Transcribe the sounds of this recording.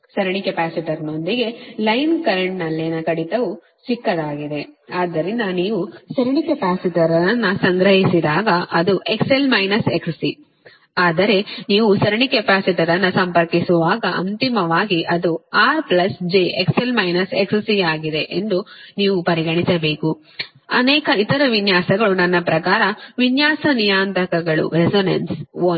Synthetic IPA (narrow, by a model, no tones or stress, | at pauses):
sɐɾɐɳikepaːsiʈɐɾnond̪iɡe̞lɐjnkɐɾeɳʈnɐlːenɐkɐɽit̪ɐʋu | t͡ʃikːɐd̪aːɡid̪e̞aːd̪ːɐɾind̪ɐniːʋusɐɾɐɳikepaːsiʈɐɾɐɾɐnːɐsɐŋɡɾɐɦisid̪aːɡɐʔɐd̪uʔe̞kse̞lmɐjnɐsekssi | aːd̪ɐɾe̞niːʋusɐɾɐɳikepaːsiʈ̪ɐɾɐnːɐsɐmpɐɾkisuʋaːɡɐʔɐ̰nt̪imɐʋaːɡiʔɐd̪uaːɾplɐsd͡ʒeekselmɐjnɐsekssiɡaːɡid̪e̞ʔend̪uniːʋupɐɾiɡɐɳisɐbe̞ːku | ɐ̰nɛːkɐit̪ɐɾɐʋinjaːsɐɡɐɭunɐnːɐpɾɐkaːɾɐʋinjaːsɐnijaːnt̪ɐkɐɡɐɭṵɾesoːnɐ̰nso